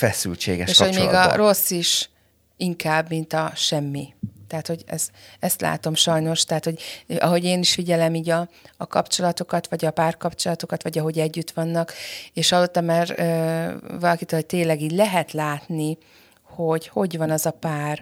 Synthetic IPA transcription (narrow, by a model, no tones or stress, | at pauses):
fɛsy̰lt͡ʃḛːɡɛ̰ʃeːʃhoɟmeːɡɒro̞sːiʃ | iŋkaːbmint̪ɒʃɛmːit̪ɛɦat̪ho̞ɟɛ̰z̥ɛst̪la̰ːt̪o̞mʃɒjno̞ʃt̪ɛɦat̪ho̞ɟɒ̰ɦo̞ɟeːniʃfiɟɛlɛmiːɟɒːkɒ̰pt͡ʃo̞lɒt̪o̞kɒt̪ʋɒɟɒpaːrkɒpt͡ʃo̞lɒt̪o̞kɒt̪ʋɒɟɒɦo̞ɟɛɟːyt̪ʋɒnːɒkeːʃhɒlːot̪ːɒmːarøvɒlɒkit̪ølhoc̚t̪eːnlɛɡiːɟlɛɦɛt̪laːt̪ni | ho̞ɟho̞ɟvɒnɒzɒpaːr